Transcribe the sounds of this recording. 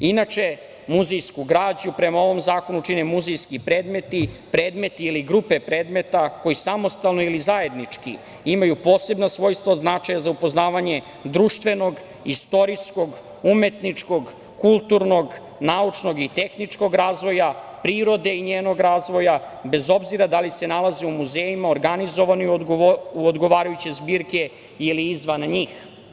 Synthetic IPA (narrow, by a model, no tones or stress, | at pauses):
inat͡ʃe̞ | muzejskuɡɾaːd͡ʑupɾe̞mao̞ʋo̞mzaːko̞nut͡ʃinemuzejskipɾe̞ːd̪me̞t̪i | pɾe̞ːd̪me̞t̪iːliɡɾupe̞pɾe̞ːd̪me̞t̪ako̞isamo̞st̪alˠno̞ilizaje̞d̪nit͡ʂkḭ | imajupo̞ːse̞bnasʋo̞ːjst̪ʋaod̪znat͡ʃajazaupo̞znaːʋaɲe̞ | d̪ɾuːʃt̪ʋe̞no̞ɡ | ist̪o̞ɾisko̞ɡ | ume̞t̪nit͡ʂko̞ɡ | kulˠt̪uɾno̞ɡ | naut͡ʂno̞ɡit̪e̞xnit͡ʂko̞ɡɾaːzʋo̞japɾiːɾo̞d̪e̞iɲeːno̞ɡɾaːzʋo̞jabe̞zo̞bziɾad̪alise̞nalˠazeumuzeːjimaoɾɡanizo̞ʋanojuod̪ɡo̞ʋaːɾajut͡ɕe̞zbiːɾke̞ | iliizʋanɲiːx